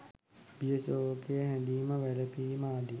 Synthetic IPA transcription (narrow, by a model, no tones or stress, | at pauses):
bijesoːkejəɦæd̪iːməʋæləpiːmaːd̪i